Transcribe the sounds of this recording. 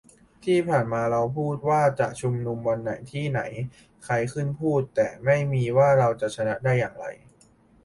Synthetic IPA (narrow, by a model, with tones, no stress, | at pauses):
t̪ʰiː˥˩pʰaː˨˩nmaː˧ɾa˧wpʰuː˥˩t̪̚waː˥˩t͡ɕa˨˩ʔt͡ɕʰu˧mnu˧mwa˧nːa˩˦jt̪ʰiː˥˩na̰˩˦j | kʰa˧jkʰɯ˥˩npʰuː˥˩t̪ːɛː˨˩ma˥˩jmiː˧waː˥˩ɾa˧wt͡ɕa˨˩ʔt͡ɕʰa˧na˦˥ʔdaː˥˩jːa̰ː˨˩ŋɾa̰˧j